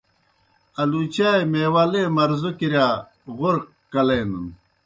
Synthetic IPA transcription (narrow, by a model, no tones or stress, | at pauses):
ɐlut͡ɕaːjmeːwaːlemɐɾzukiɾjaː | ʁoɾq | kɐleːnun